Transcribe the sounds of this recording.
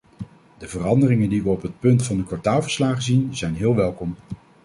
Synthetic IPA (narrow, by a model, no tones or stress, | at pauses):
d̥əvərɑndərɪŋəndiʋəɔpɦət̚pɵntfɑndəkʋɑɹtaːlˠvəɹslaːχəzinzɛjnɦɪːlˠʋɛlˠkɔm